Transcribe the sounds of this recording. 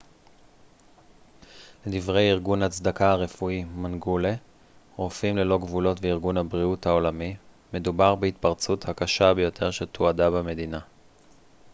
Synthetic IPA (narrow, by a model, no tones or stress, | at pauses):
ledivʁe̞jiʁɡunhat͡sd̪akaaʁe̞fuimanɡule | ʁofimle̞lo̞ɡvulo̞tveiʁɡunhabʁiuthao̞lami | me̞dubaʁbeitpaʁt͡suthakaʃabejo̞tʰe̞ʁʃetʰoadabame̞dina